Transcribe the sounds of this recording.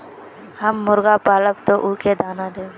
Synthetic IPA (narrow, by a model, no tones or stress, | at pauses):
həmːʊɾɡapaːləbt̪oʔʊked̪ʱaːnad̪eːɡe